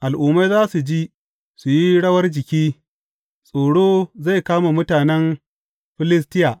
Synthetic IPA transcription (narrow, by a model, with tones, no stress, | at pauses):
ʔa˨lʔuː˨mːa˦jzaː˦su˨d͡ʒi˦ | su˨ji˦ɽɐ˦wɐ˦rd͡ʒɪ˨kʲiː˦ | sʼoː˨ɽoː˦za˦˨jkaː˦ma˨mʊ˦taː˨nɛ˦m | ɸɪ˦lɪ˦s̬tɪ˦ja˨ʔ